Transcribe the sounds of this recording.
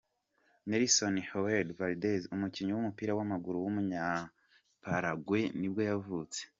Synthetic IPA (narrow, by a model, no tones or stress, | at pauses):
neɾisonihoweɾdvaldezumuciɲuwumupiːɾawamaɡuɾuwumuɲa | paɾaɡwe̞nibɡo̞javut͡se̥